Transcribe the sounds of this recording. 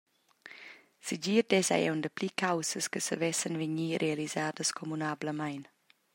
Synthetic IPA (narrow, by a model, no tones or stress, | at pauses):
səd͡ʒiːɾd̪ɛsa̰ɛ̰wndəplikʰawsəskəsəvɛsənveɲiɾʔealizaːdəskʰɔmunabləmajn